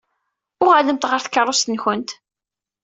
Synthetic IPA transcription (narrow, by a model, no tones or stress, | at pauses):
ʊʁæləmt̪ʁəɾθə̥kːəɾˤːost̪ənçənt̪